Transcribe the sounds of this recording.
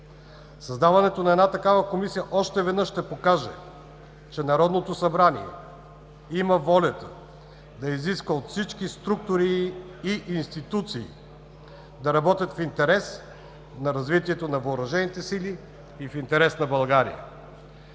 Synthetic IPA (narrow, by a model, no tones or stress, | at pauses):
sɐzd̪avɐnɛt̪onɐɛd̪at̪ɐkavəkomisijəʔɔʃt̪ɛvɛd̪nəʃːt̪ɛpokaʒɛ̰ | t͡ʃɛnɐɾɔd̪not̪osɐbɾanḭɛ̰ | iməvɔlʲɐt̪ə̥ | d̪ɐiziskvəot̪fsit͡ʃkist̪ɾuk̚t̪oɾiː | ʔːnst̪it̪ut̪siː | d̪ɐɾɐbɔt̪ʲjət̪fint̪ɛɾɛs | nɐɾɐzvit̪iɛt̪onɐvɐːɾɐʒɛnit̪ɛsilʲiː | fint̪ɛɾɛsnɐbɐlˠɡaɾḭə̰